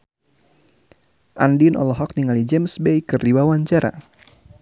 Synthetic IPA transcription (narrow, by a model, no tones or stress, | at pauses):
ʔandinʔɔ̰lɔɦɔk̚niŋalid͡ʒɛmsbejkɨrdiwawaɲt͡ʃaɾa̰